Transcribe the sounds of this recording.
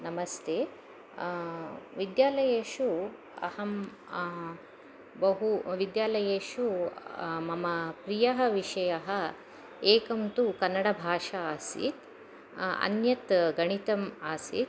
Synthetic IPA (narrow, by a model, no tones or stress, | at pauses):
nɐmɐst̪ʰeː | ʋid̪jaːlɐjeːʃu | ɐ̰hɐm | bɐɦuʋid̪jaːlɐjeːʂu | mɐmɐpɾijɐɦɐʋiʂɐjɐɦɐ | eːkɐmt̪ukɐnːɐɽɐbʱaːʂɐaːsḭt̪ | ɐ̰njɐt̪ɡɐɳ̃it̪ɐmaːsḭt̪